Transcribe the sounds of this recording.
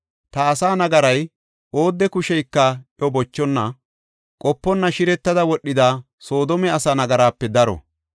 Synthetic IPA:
t̪ɐːsaːnɐɡɐɾɐj | o̞ːd̪ːɛkʊʃɛjkːɐʔjɔbɔt͡ʃːɔnːɐ | kʼɔpːɔnːɐʃɪɾɛt̪ːɐd̪ɐwɔɗːɪd̪aː | so̞ːd̪ɔmɛɐsɐnɐɡɐɾaːpːɛd̪ɐɾɔ̰

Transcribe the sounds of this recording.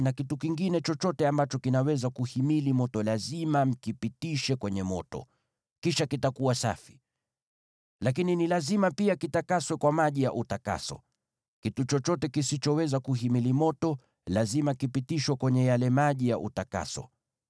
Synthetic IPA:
nakitukiŋɡinɛt͡ʃɔt͡ʃɔtɛambat͡ʃɔkinawɛzakuhimilimɔtɔlazimam̩kipitiʃɛkwɛɲɛmɔ̰tɔ̰ | kiʃakitakuwasa̰fi̥ | lakininilazimapiakitakaswɛkwamaʄijaʔutaka̰sɔ̰ | kitut͡ʃɔt͡ʃɔtɛkisit͡ʃɔwɛzakuɦimilimɔtɔ | lazimakipitiʃwɛkwɛɲɛjalɛmaʄijaʔṵtaka̰sɔ̰

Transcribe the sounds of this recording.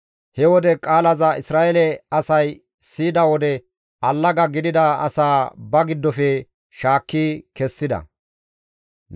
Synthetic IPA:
hɛwɔd̪ɛkʼaːlɐzɐʔɪsɾaːʔɛlɛɐsɐj | siːd̪ɐwɔd̪ɛ | ɐlːɐɡɐɡɪd̪ɪd̪ɐɐ̰saːbɐɡɪd̪ːɔfɛ | ʃaːkːiːkɛsːɪd̪ɐ̰

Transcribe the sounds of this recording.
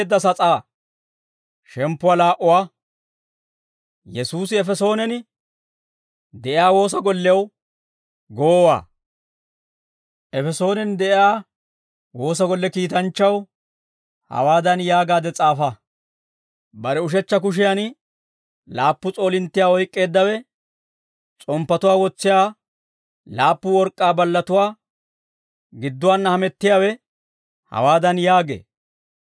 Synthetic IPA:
d̪ːɐsɐt͡sʼaː | ʃɛmpːʊwaːlaːʔʊwaː | jɛsuːsɪɛfɛso̞ːnɛn | d̪ɛʔɪjaːwo̞ːs̬ɐɡɔlːɛw | ɡoːwa̰ː | ʔɛfɛso̞ːnɛnd̪ɛʔɪjaː | wo̞ːs̬ɐɡɔlːɛkiːt̪ɐnt͡ʃːɐw | hɐ̰waːd̪ɐnjaːɡaːd̪ɛt͡sʼaːfɐ | bɐɾɛʊʃ̬ɛt͡ʃːɐk̬ʊʃ̬ɪjan | laːpːʊt͡sʼo̞ːlɪnt̪ːɪjaːɔjkʼːe̞ːd̪ːɐwɛ | t͡sʼɔmpːɐt̪ʊwaːwɔt͡sːɪjaː | laːpːʊwɔɾkʼːaːbɐlːɐt̪ʊwaː | ɡɪd̪ːʊwaːnːɐhɐmɛt̪ːɪjaːwɛ | hɐ̰waːd̪ɐnjaːɡḛː

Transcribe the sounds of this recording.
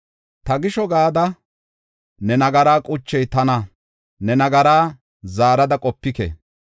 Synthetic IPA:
t̪ɐɡɪʃɔɡaːd̪ɐ | nɛnɐɡɐɾaːkʼʊt͡ʃːɛjt̪ɐnɐ | nɛnɐɡɐɾaː | zaːɾɐd̪ɐkʼɔpːɪkɛ̰

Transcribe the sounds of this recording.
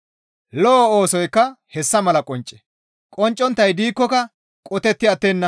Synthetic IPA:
lɔːoːsɔjkːɐhɛsːɐmɐlɐkʼɔnt͡ʃʼːɛ̥ | kʼɔnt͡ʃʼːɔnt̪ːɐjd̪iːkːɔkɐ | kʼɔt̪ɛt̪ːɪɐt̪ːeːnːɐ

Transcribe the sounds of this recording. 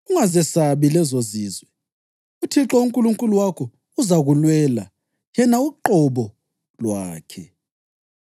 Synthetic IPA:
uŋazɛsaβilɛzoziːzwɛ | utʰiǁɔuŋkʼuluŋkʼuluwakʰɔ | uzaɣulwɛːla̰ | jɛnauǃɔβɔ | lwaːkʰɛ

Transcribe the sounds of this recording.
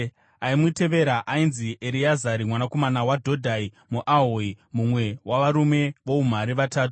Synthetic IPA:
aimute̞ʋe̞ɾaʔainziʔeɾijazaɾimwanako̞manawadʱo̞dʱai | muʔaɦoimumwe̞wʔaʋaɾume̞ʋo̞um̤aɾiʋataːtu̥

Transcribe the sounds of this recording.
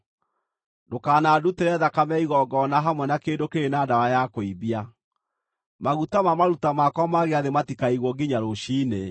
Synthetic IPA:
dokaːnaːduteɾɛðakamɛiɣɔɡɔnaɦamwɛnakendokeɾenaːdawajakoiβia | maɣutamamaɾutamakɔmaɣeaðematikaiɣwɔɡiɲaɾoɕiːne

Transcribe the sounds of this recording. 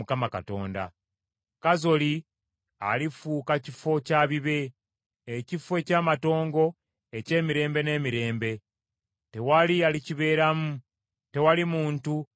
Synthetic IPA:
ukamaka̰to̞̰ːnda̰ | kazo̞li | a̰lifuːkacifo̞caːβiβe̞ː | cifwe̞caːmato̞ːŋɡo̞ | e̞ce̞ːmiɾe̞ːmbe̞ne̞ːmiɾe̞ːmbe̞ | te̞walialiciβe̞ːɾamu | te̞walimuːntu

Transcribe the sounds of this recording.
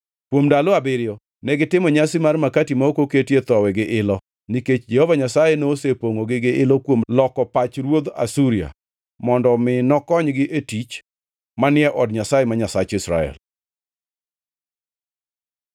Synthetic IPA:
kwomdaloabɪɾjo | nɛɡɪtɪmɔɲasɪmarmakatimaokoketjet̪ɔwɛɡɪʔɪlɔ | niket͡ʃd͡ʒɛhovaɲasajenosepoŋoɡɪɡɪʔɪlɔkwomlɔkɔpat͡ʃɾwod̪a̰suɾia̰ | mɔndɔmɪnɔkɔɲɡɪʔetit͡ʃ | manɪɛʔɔdɲasajemaɲasat͡ʃɪsɾa̰ɛ̰l

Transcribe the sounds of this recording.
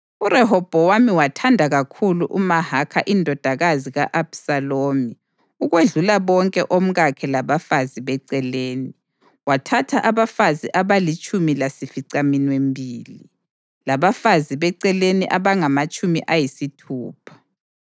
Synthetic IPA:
uɾɛɦɔb̥ʱɔwamiwatʰandʱaɣakʰuluʔumahakʰa̰ʔindʱɔd̥ʱaɣaziɣaʔab̥saloːmi | uɣweɮulaβɔŋkʼɛʔom̩ɣakʰɛlaβafaziβɛǀɛleːni | watʰatʰaʔaβafaziʔaβalit͡ʃʼumilasifiǀaminwembʱiːli | laβafaziβɛǀɛleniʔaβaŋamat͡ʃʼumḭʔajisitʰuːpʰḁ

